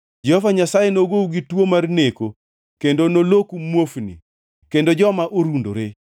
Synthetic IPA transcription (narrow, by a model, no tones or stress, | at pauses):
d͡ʒɛɔvaɲasajenoɡouɡitwomarneko | kendonolokumwofnḭ | kendod͡ʒɔmaʔoɾundo̰ɾe